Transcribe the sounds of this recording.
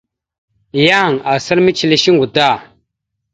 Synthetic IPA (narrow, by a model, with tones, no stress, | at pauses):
ja˦˨ŋa˨sə˦ɾmi˦t͡ʃi˨li˦ʃi˦ŋɡu˨da˦˨